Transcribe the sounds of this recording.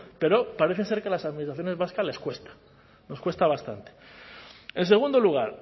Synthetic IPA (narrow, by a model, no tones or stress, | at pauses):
pe̞ɾo̞paɾe̞θe̞se̞ɾkelasaðminist̪ɾaθjone̞zβaskazle̞skwe̞st̪ḁ | no̞skwe̞st̪aβ̞ast̪ant̪e̥ | e̞ns̬e̞ɣ̞und̪oluɣ̞aɾ